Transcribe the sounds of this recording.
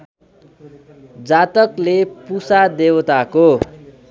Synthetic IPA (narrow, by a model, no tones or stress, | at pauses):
d͡zat̪ʌklepusad̪ewʌt̪ako